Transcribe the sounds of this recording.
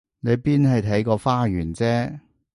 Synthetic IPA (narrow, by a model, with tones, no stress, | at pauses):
ne˨˧jpiː˥nɦɐ˨jt̪ʰɐ˨˥jkɔː˧faː˥jyː˨˩nt͡sɛː˥